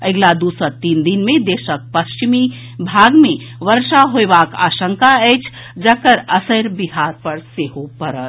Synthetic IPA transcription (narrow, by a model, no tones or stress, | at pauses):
əɡlad̪usəɾt̪ind̪inmẽd̪eːʃək̚pəst͡ʃimi | bʱaɡmẽ | ʋəɾʃaɦoebaka̰ːʃə̃ŋkaɛt͡ʃʰ | d͡ʒəkəɾəsəɾbiɦaɾpəɾseɦopəɾət̪